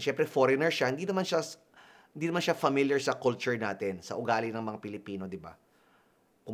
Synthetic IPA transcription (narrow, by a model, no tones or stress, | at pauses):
ʃɛmpɾɛfoɾɛnɛɹʃahɪnd̪inɐmanʃa | hɪnd̪inɐmanʃafɐmiljɐɹsɐkult͡ʃʊɹnaːt̪ɪnsɐ̰ʔʊɡaːlɪnɐŋmɐŋapɪlɪpiːno̞d̪ɪba̰ | kʊ